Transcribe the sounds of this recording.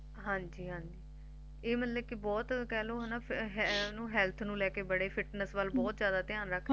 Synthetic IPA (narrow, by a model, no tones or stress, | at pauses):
ɦãːɲd͡ʒiːɦãːɲd͡ʒiː | eːmət̪ləkɪbɔːt̪kɛːloːɦɛːnaːɦnũːɦɛːlt̪ʰnũːlɛːkeːbəɽeːpʰɪʈnəsʋəlbɔːt̪zjaːd̪aːt̪ɪjãːnɾəkʰː